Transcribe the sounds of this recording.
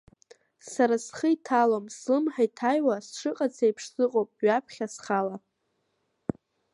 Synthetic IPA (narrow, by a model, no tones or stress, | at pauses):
saɾasχəitʰalomslɨmħajtʰajwasʂɨqʼat͡sʰejpʰʂzɨqʼowpʼɥapʰχʲasχala